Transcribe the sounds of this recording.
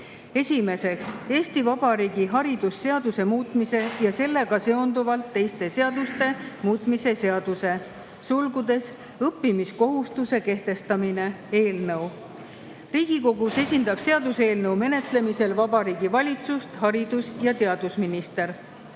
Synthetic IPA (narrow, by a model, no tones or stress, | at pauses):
e̞sʲime̞se̞kse̞ːst̪ivɑb̥ɑɾiːɡ̥iɦɑɾid̪usːe̞ɑd̪̥use̞muːt̪ˑmise̞jɑse̞lːe̞ɡ̥ɑse̞o̞nd̪uvɑlt̪ːe̞jst̪e̞se̞ɑd̪̥ust̪e̞muːt̪ˑmise̞se̞ɑd̪̥use̞ | sulɡud̪̥e̞s | ɤpːimisko̞ɦust̪use̞ke̞ht̪e̞st̪ɑmine̞ | e̞ːlnɤw | riːɡ̥iko̞ɡ̥use̞sʲind̪ɑb̥se̞ɑd̪use̞ːlnɤwme̞ne̞t̪ˑle̞mise̞lvɑbɑɾiːɡ̥ivɑlʲit̪sust̪hɑɾid̪̥usjɑt̪e̞ɑd̪usminist̪e̞ɾ